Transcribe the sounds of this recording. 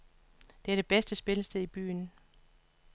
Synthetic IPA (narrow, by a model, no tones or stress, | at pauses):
d̥eæɐd̥e̝b̥esd̥əsb̥e̝ləsd̥eðˠib̥y̰ːn